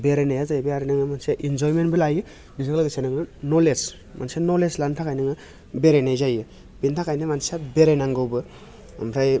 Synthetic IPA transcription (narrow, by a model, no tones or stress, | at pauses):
beɾenajazajbɯaɾinɯŋɯmanseʔind͡ʒɔjmenbɯlajɯ | nizɯŋlaɡɯsenɯŋnɯnoles | mansenoleslantʰakʰajnɯŋɯ | beɾenajzajɯ | bintʰakajnɯmansabeɾejnaŋɡɯwbɯ | a̰mpʰɾaj